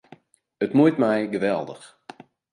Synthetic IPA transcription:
ətmujtmɛjɡəʋɛlˠdə̰x

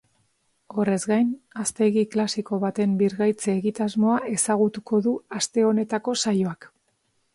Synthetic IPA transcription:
o̞re̞zɡajnast̪e̞ɣiklasiko̞βat̪e̞mbiɾɣajt͡seːɣit̪azmo̞aʔe̞saɣ̞ut̪ukʰo̞ðuast̪e̞o̞ne̞t̪ako̞sajo̞ak

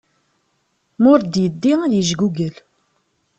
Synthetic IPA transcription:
mʊɾd̪jəd̪ːiæðjəʒɡuɡəl

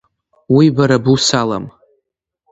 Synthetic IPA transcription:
wibaɾabusala̰m

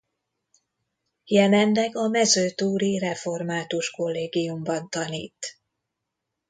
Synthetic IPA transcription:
jɛlɛnlɛɡɒmɛzøːt̪uːɾirɛfo̞rmaːt̪uʃko̞lːeːɡijumbɒnt̪ɒnḭːt̪

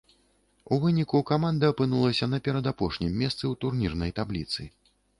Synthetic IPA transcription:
uvɨnʲikukamand̪ɐːpɨnulˠɐsʲɐnɐpʲɛɾɐd̪apɔʂnʲimʲːɛst̪sɨwt̪urnʲirnɐjt̪ablʲit̪sɨ̰

